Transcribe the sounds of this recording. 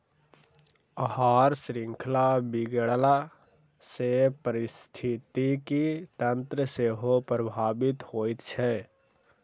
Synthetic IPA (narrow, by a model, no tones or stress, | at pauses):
əɦaːɾsɾɪ̃ŋkʰlabɪɡəɽla | sepəɾɪst̪ʰɪt̪ikit̪ənt̪ɾəseɦopɾəbʱaːbɪt̪hoːit̪t͡ʃʰɛ